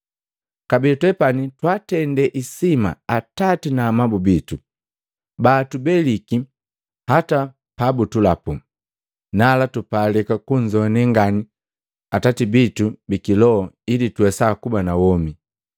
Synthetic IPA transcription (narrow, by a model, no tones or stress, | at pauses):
kabilitwɛpanitwatɛndɛʔisima̰atatinaːmabubitu | baːtubɛliki | hata | pabutulapu | nalatupalɛkakuɲd͡ʒɔnɛŋɡani | atatibitubikilɔɔilituwɛsakubanawɔmi